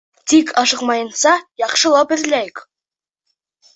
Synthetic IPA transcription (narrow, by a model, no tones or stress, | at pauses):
t̪ʰikʰɑʃəqmɑjənsɑjɑqʃəlˠɑpɪ̆ɾlæjɪk